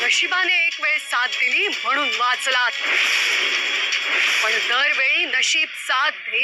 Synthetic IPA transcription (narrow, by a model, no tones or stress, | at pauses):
nəɕibaneekʋeɭsat̪ːiliːm̤əɽ̃uːnʋat͡slat̪ | pəɳd̪əɾʋeɭiːnəɕiːb̚sat̪̚ɦi